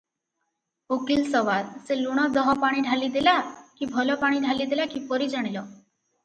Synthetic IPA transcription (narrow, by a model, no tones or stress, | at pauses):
okilsɔʋalseluɽ̃ɔd̪ɔɦɔpaɽ̃iɖʱalid̪elakibʱɔlɔpaɽ̃iɖʱalid̪elakipɔɾid͡ʒaɽ̃ilɔ